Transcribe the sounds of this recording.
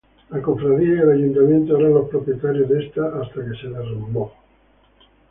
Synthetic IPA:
akoɱfɾaðiaelaʝunt̪amjẽnt̪oaβɾalospɾopjet̪aɾjozðest̪aʔast̪akeseðerenombo

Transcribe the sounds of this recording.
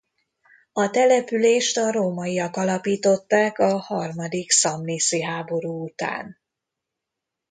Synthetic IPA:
ɒt̪ɛlɛpyleːʃt̪ɒɾoːmɒjiɒkɒlɒpiːt̪o̞t̪ːaːkɒhɒrmɒd̪iksɒmliːsiɦaːbo̞ɾuːut̪a̰ːn

